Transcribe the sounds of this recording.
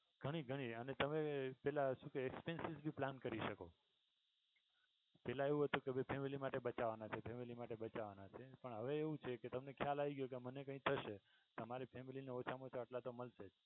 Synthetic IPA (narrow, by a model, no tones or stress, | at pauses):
ɡʱəɽ̃iɡʱəɽ̃iənet̪əmepɛlaʃũkeːkspensizbʱiplankəɾiʃəko | pɛlãeʋũɦət̪ũkebʱəjpʰemilimaʈebət͡ʃaʋanat͡ʃʰepʰemilimaʈebət͡ʃaʋanat͡ʃʰepəɳɦəʋeːʋũt͡ʃʰeket̪əmnekʰjalaʋiɡjok̬emənekə̃ĩt̪ʰəʃe | t̪əmaɾipʰemilineot͡ʃʰamot͡ʃʰeəʈlat̪oməlsed͡ʒ